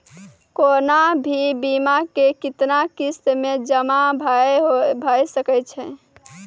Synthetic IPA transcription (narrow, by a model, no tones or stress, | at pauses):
konabʱibimakekit̪nakist̪med͡ʒəmabʱaɦobʱajsəkɛt͡ʃʰɛ̃